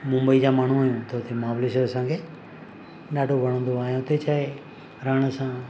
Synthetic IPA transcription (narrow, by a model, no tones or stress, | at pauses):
mʊ̃mbəiːd͡ʑaːmaːɳ̤ũɦaːjũːt̪ʰoːt̪ʰemaːʋlesoɾəsãːkʰeː | ɗaːɖʱobʱəɽ̃õːnd̪oaːjõːt̪eːt͡ʃaːe | ɾəɳ̃sãː